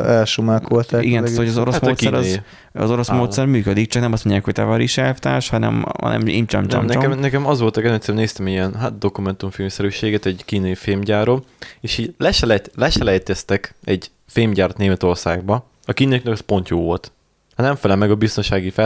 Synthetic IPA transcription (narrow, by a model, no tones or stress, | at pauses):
ɛlʃumaːkolt̪aiɡɛnat̪hojɒzoɾosmːt̪ːɛɾɒz | ɒ̰zo̞ɾo̞smoːt̪sɛrmyːkød̪ik̚t͡ʃɒknɛmɒst̪moɲɟːaːkhoct̪ɛvɒɾiʃɛlt̪ɛʃhɒnɛ̰mhɒ̰nɛ̰mḭmt͡ʃɒ̰mɔ̰mnɛkɛmnɛkɛmɒzʋo̞lt̪ɒkɛmɛt̪sɛɾɛmneːst̪ɛmɛiɛnɦaːt̪̚d̪o̞kumɛnt̪uɱfeːmsɛɾyːʃeːɡɛt̪ɛɟkiːnɒjifeːmɟaːɾomeːʃhiːɟlɛʃɛlɛt̪lɛʃɛlɛjt̪ɛst̪ɛkɛɟ | feːmɟaːrt̪neːmɛt̪o̞rsaːɡ̚bɒ | ɒkiːnejiknɛkɒspo̞nt̪joːvo̞lt̪ | hɒnɛɱfɛlɛmɛɡɒbist̪o̞nʃaːɡifɛ